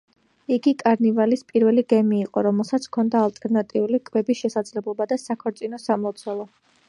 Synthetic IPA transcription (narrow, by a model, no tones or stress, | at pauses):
iɡikʼaɾnivalispʼiɾvɛliɡɛmiːqʼɔɾɔmɛlˠsat̪sʰkʰɔnd̪aːlˠt̪ʼɛɾnat̪ʼiulikʼvɛbisʃɛsad̪zlɛblˠɔbad̪asakʰɔɾt̪sʼinɔsamɔt̪sʰwɛlˠɔ